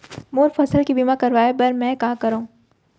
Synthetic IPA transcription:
moːɾfɐsəlkibiːmakɐɾʋaːebɐɾmɛ̃ːkãːkɐɾõː

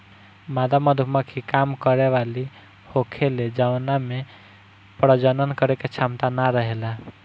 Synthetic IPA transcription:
mad̪aməd̪ʱuməkʰikamkəɾeʋali | hokʰeled͡ʒawname | pɾəd͡ʒənənkəɾeket͡ʃʰamt̪anaɾəɦela

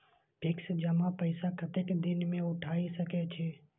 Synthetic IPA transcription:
bʱɪksd͡ʒəmãpəɪsakʰət̪ekd̪ɪnmẽʊʈʰaːisəkɛt͡ʃʰeː

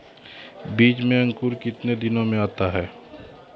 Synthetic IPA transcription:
biːt͡ʃmẽɐ̃ŋkuɾkɪt̪ned̪ɪnõmẽaːt̪aɦɛː

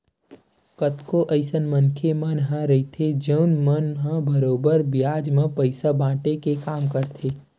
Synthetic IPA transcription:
kət̪koʔəɪsənmə̃nkʰemə̃nɦãɾɐɦit̪ʰed͡ʒəʊnmənɦãbəɾoːbəɾbɪjaːd͡ʒmãpəɪsabãːʈekekaːmkəɾt̪ʰeː

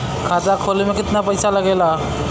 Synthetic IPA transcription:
kʰat̪akʰolimekit̪napəjsaləɡela

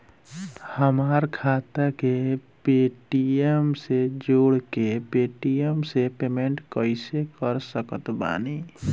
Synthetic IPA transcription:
həmaɾkʰat̪akepeʈiemsed͡ʒoɽkepeʈijəmsepemeɳʈkəɪsekəɾsəkət̪ba̰ːni

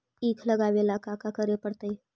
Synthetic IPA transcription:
ikʰləɡaʋelakakakəɾepəɽt̪əj

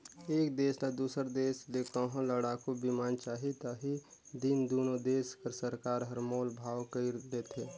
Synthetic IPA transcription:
eːkd̪eːsnad̪uːsəɾd̪eːslekkaɦõləɽakobimaːnt͡ʃaːɦit̪aɦid̪ind̪oːnod̪eːskəɾsəɾkaːɾɦəɾmoːlbʱaːwkəiɾlet̪ʰeː

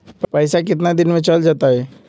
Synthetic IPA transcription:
ppəjsak̬ɪt̪̬nad̪inmet͡ʃəld͡ʒat̪aɦɛ

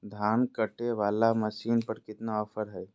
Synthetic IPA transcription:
d̪ʱaːnkɐʈeʋaːlamɐʃiːnpɐɾkɪt̪naɔfʰəɾɦɛː

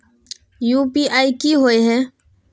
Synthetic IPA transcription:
juːpiʔaːikiɦoːeɦɛ̃ː

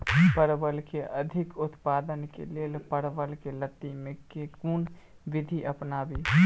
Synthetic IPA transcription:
pəɾbəlkeʔɐd̪ʱɪkʊt̪paːd̪ənkḛlelpəɾbəlkelət̪ːimẽkekuːn | ʋɪd̪ʱiʔɐpnaːbi

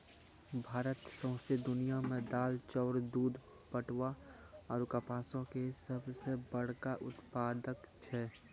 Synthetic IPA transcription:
bʱaːɾət̪sə̃ʊ̃sed̪ʊnijamẽd̪aːlt͡ʃɔʊɾd̪uːd̪ | pəʈʋa | ɔːɾkapaːsõkesəbsebəɽ̤kaʔʊt̪paːd̪əkt͡ʃʰɛ

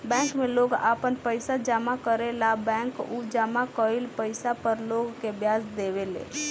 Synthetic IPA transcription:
bɛ̃ːŋkmẽloɡapənpəɪsad͡ʒamakəɾelabɛ̃ŋkud͡ʒamakəilpəɪsapəɾloɡkebjaːsd̪eʋelḛ

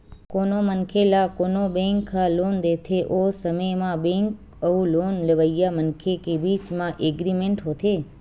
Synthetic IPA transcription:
konomənkʰelakonobẽŋkʰːalond̪et̪ʰeʔosəməjmãbẽŋk | əʋũlonleʋəjamənkʰekebit͡ʃmãʔeɡɾimẽɳʈɦot̪ʰe

